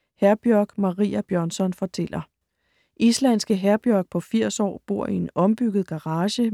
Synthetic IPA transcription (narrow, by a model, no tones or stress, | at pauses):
hæɐb̥jœɐɡ̥mɑ̈ʁḭːæb̥jœɐnsɒ̽nfɒ̽t͡sʰel̰ɐ | ʔislænsɡ̥əɦæɐb̥jœɐɡ̥̚pʰɒ̽fiɐ̰sɒ̰ːb̥o̝ɐ̰ʔie̝nɒ̽mb̥yɡ̥ð̞̩ˠɡ̥ɑ̈ʁɑ̈ːɕə